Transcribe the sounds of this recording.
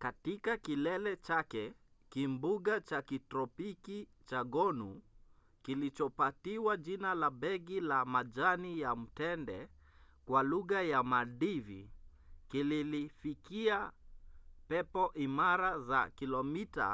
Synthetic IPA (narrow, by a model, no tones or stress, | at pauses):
katikakilɛlɛt͡ʃakɛ | kimbuɠat͡ʃakitɾɔpikit͡ʃaɡɔnu | kilit͡ʃɔpatiwaʄinalabɛɣilamaʄanijam̩tɛndɛ | kwaluɣajamaɗivḭ | kililifikia | pɛpɔʔimaɾaza̰kilɔmita̰